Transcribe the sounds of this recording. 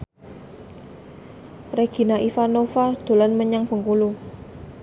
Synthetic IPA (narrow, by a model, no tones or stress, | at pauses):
reɡ̥i̤naʔifanofad̪̥o̤lanməɲaŋb̥ə̤ŋkulu